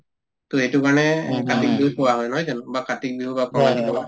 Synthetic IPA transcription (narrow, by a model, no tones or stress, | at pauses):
t̪oetukaɹnɛkatik̚biupɔwaɦɔjnɔɦɔjzanbakatik̚biɦubapɹɔbadiɔba